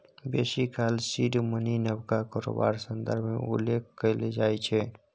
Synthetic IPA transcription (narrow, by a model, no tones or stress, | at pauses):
besikʰaːlsiɖməninəbkakɔɾo̰ba̰ɾsənd̪əɾbʱmḛṵlːekʰkəled͡ʒaːjt͡ʃʰɛ